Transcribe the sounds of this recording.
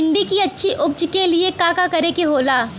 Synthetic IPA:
ɪ̃nd̪ikiɐtːʃʰiʔʊb̚d͡ʒkeliekaːkakɐɾekeɦoːlaː

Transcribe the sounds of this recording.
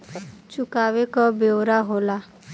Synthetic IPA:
t͡ʃʊkaːwekabeoɾaɦoːla

